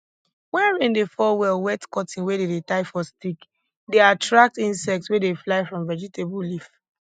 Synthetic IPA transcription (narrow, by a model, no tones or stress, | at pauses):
wɛ̃nɹĩndefɔwɛlwɛtkɔtʰĩnwededetaɪfɔstik | deatɹak̚tĩnsɛk̚tswedeflaɪfɹɔ̃mvɛd͡ʒitʰebulif